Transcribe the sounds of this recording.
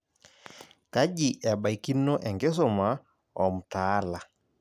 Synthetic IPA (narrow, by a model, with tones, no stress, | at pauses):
ka˦ʄi˨ʔɛ˨ɓa˨i˨ki˦nɔ˦ʔɛ˨ŋɡe˦s̬ɔ˨ma˨ | ɔ˨m̩˨taː˦la˨